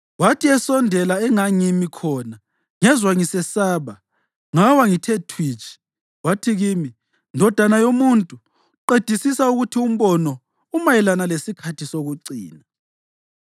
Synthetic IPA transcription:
watʰiɛsɔndʱɛlaɛŋaŋimikʰɔna | ŋɛzwaŋisɛsaːβa | ŋawaŋitʰetʰwiːt͡ʃʰʼi̥ | watʰiɣimi | ndʱɔd̥ʱanajomuntʼu | ǃed̥ʱisisauɣutʰium̩βɔnɔ | umajɛlanalesikʰatʰisoɣuǀiːna

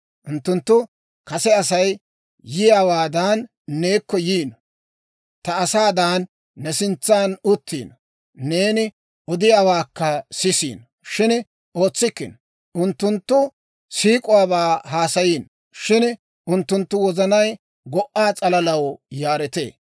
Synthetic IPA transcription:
ʔʊnt̪ːʊnt̪ːʊ | kɐsɛɐs̬ɐj | jɪjaːwaːd̪aːnː | eːkːɔjiːn | t̪ɐɐsaːd̪aːnː | ɛsɪnt͡sːaːnʊt̪ːḭːn | ne̞ːnɪ | ʔɔd̪ɪjaːwaːkːɐsɪsḭːn | ʃɪn | ʔo̞ːt͡sːɪkːɪn | ʔʊnt̪ːʊnt̪ːʊ | siːkʼʊwaːbaːɦaːsɐjiːn | ʃɪn | ʔʊnt̪ːʊnt̪ːʊwɔzɐnɐj | ɡɔʔːaːt͡sʼɐlɐlɐwjaːɾɛt̪ḛː

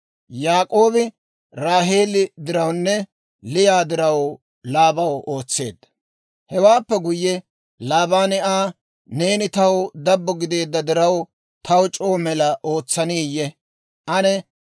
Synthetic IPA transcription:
jaːkʼo̞ːbɪ | ɾaːɦe̞ːlɪd̪ɪɾɐwnːɛ | lɪjaːd̪ɪɾɐw | laːbɐwoːt͡sːe̞̰ːd̪ːɐ̥ | hɛwaːpːɛɡʊjːɛ | laːbaːnɪaː | ne̞ːnɪt̪ɐwd̪ɐbːɔɡɪd̪e̞ːd̪ːɐd̪ɪɾɐw | t̪ʰɐwt͡ʃʼoːmɛlɐʔo̞ːt͡sːɐniːjɛ | ʔɐnɛ

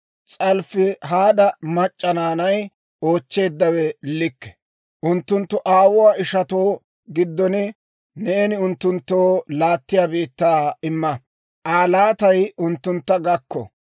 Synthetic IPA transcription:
t͡sʼɐlfɪɦaːd̪ɐmɐt͡ʃʼːɐnaːnɐj | o̞ːt͡ʃːe̞ːd̪ːɐwɛlɪkːɛ̥ | ʔʊnt̪ːʊnt̪ːʊʔaːwʊwaːɪʃɐt̪oː | ɡɪd̪ːɔnɪ | nɛːnɪʊnt̪ːʊnt̪ːoːlaːt̪ːɪjaːbiːt̪ːaːɪmːɐ | ʔaːlaːt̪ɐjʊnt̪ːʊnt̪ːɐɡɐkːɔ̰

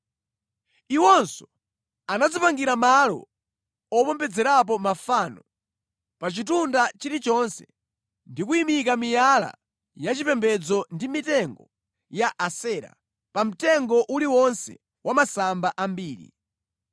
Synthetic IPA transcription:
iwɔnsɔ | anad͡zɔpaŋɡiɾamalɔ̰ | ɔpɔmpɛd͡zɛɾap̬ɔmafaːnɔ | pat͡ʃitundat͡ʃiɾit͡ʃɔnsɛ̰ | ndikuimikamijala̰ | jat͡ʃipɛmbɛd͡zɔndimitɛŋɡɔ | jaʔasɛːɾa̰ | pam̩tɛŋɡɔʔuliwɔnsɛ̰ | wamasambaʔambiːɾḭ

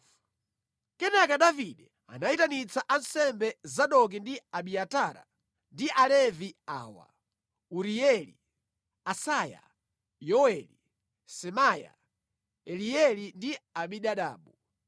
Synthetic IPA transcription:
kɛnakaɗaviɗɛ | a̰naitanit͡saʔansɛmbɛzaɗɔk̬indiaɓiataɾa̰ | ndiʔalɛvia̰ːwa̰ | uɾiɛlḭ | asaja̰ | jɔwɛli | sɛmaja̰ | ɛlijɛlindiaɓiɗaɗa̰ːɓu

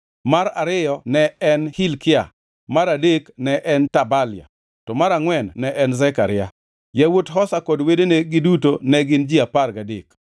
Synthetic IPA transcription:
maɾaɾɪjɔnɛɛnhilkɪa̰ | maɾadeknɛʔɛntabalɪja̰ | tɔmaɾaŋwɛnːɛʔɛnzɛkaɾɪja | jɛwotɦɔsakɔdwedeneɡɪdutonɛɡɪnd͡ʒiaparɡadḛk

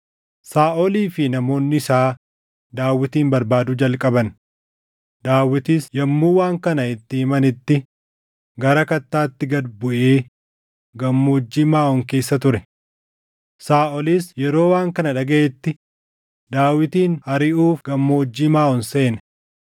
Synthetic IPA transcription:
saːʔɔliːfɪnɐmo̞ːnːɪɪsaː | d̪aːwːɪt̪iːmbɐɾbaːd̪ʊd͡ʒɐlkʼɐbɐn | d̪̥aːwːɪt̪isjɐmːuːwaːŋkɐnɐɪt̪ːɪɪmɐnɪt̪ːɪ | ɡɐɾɐkɐt̪ːaːt̪ːɪɡɐd̪bʊʔeː | ɡɐmːoːd͡ʒːiːmaːɔŋke̞ːsːɐt̪̬ʊɾɛ | saːʔɔlisjɛɾo̞ːwaːŋkɐnɐᶑɐɡɐʔɛt̪ːɪ | d̪aːwɪt̪iːnhɐɾɪʔuːfɡɐmːoːd͡ʒːiːmaːɔnse̞ːnɛ

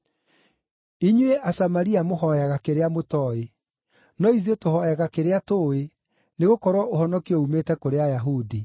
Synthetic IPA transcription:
iɲweʔasamaɾiamoɦɔjɛɣakeɾeamotɔe | nɔiðetohɔɛɣakeɾeatoːe | neɣokɔɾwɔohɔnɔkiɔumetɛkoɾeajaɦudi

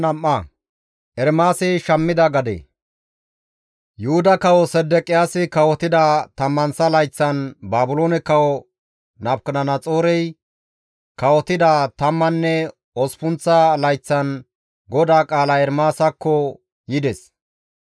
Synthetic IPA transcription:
nɐmːɐ | ʔɛɾmaːsɛʃɐmːɪd̪ɐɡɐd̪ɛ̰ | jʊhʊd̪ɐkɐwɔsɛd̪ːɛkʼɪjaːsɪkɐwɔt̪ɪd̪ɐt̪ɐmːɐnsɐlɐjt͡sːɐnbaːbʊloːnɛkɐwɔ | nɐbkɐnɐnɐt͡sʼo̞ːɾɛj | kɐwɔt̪ɪd̪at̪ɐmːɐnːɛ | ɔspʊnt͡sːɐlɐjt͡sːɐn | ɡɔd̪aːkʼaːlɐɛɾmaːsɐkːɔ | jɪd̪ɛs

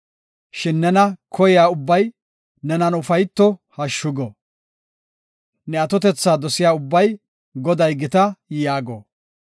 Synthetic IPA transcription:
ʃɪnːɛnɐkʰɔjɪjaːʊbːɐj | nɛnɐnʊfɐjt̪ːɔhɐʃːʊɡɔ | nɛɐt̪ɔt̪ɛt͡sːaːd̪ɔsɪjaːʊbːɐj | ɡɔd̪ɐjɡɪt̪ɐjaːɡɔ̰

